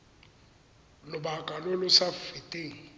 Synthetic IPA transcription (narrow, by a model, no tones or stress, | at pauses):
lʊbakʼalʊlʊsafɪtʼeːŋ̩